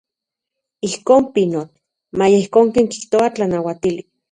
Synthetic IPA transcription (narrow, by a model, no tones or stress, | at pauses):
ihkoːmpinot̪ | majeihkoːŋkeŋki̥ht̪oat͡ɬanawat̪ili